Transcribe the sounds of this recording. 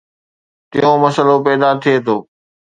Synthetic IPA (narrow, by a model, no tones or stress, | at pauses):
t̪ɪ̰jõmɐsəlopɛːd̪at̪ʰiet̪ʰoː